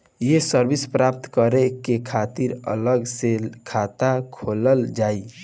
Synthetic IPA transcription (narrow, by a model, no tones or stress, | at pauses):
jesəɾbispɾap̚t̪kəɾekekʰat̪iɾə̰ləɡsekʰat̪akʰoləld͡ʒai